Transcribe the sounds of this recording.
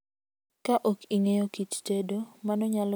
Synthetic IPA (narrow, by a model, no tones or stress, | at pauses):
kaʔokiŋejokit͡ʃtedomanɔɲal